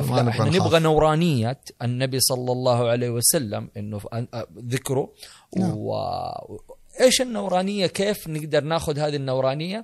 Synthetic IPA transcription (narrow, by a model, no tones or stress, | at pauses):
ʔafaʔɪħanɪbɣanawɾˤɑːnɪjːaɪnːabisˤɑlːɑlˤːɑːhʕaleːwɪsalːa̰mʔɪnːuðɪkɾu | ww̰ | ʔeːʃɪnːawɾˤɑːnɪjːakeːfnɪɡd̪ɑɾˤnaːxʊðhaːðinːawɾˤɑːnɪjːa